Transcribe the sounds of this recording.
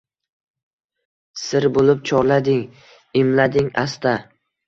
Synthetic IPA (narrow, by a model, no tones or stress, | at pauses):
sɪɾbolɪp̚t͡ʃʰɒɾlad̪ɪŋ | ɪmlad̪ɪŋast̪a